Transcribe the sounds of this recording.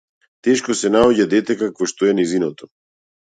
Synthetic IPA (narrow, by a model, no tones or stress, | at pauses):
t̪ɛʃkosɛnaoɟad̪ɛt̪ɛkakvɔʃt̪oɛnɛjzinot̪ɔ̥